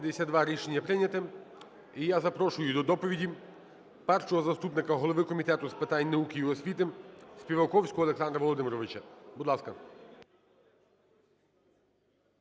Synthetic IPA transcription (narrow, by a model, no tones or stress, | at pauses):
d̪esʲad̪ʋɑɾʲiʃenʲːɐpɾɪnʲɐt̪ɪ | ijazɐpɾɔʃʊjʊd̪ɔd̪ɔpɔʋʲidʲi | pɛrʃɔɦɔzɐst̪upnɪkɐɦɔlˠɔʋɪkɔmʲit̪ɛt̪ʊspɪt̪anʲnɐukʲijiɔsʲʋʲit̪ɪsʲpʲiʋɐkɔwsʲkɔɦɔːlˠeksɑnd̪ɾɐʋɔlˠɔd̪ɪmɾɔʋɪt͡ʃɐbud̪lˠɑskɐ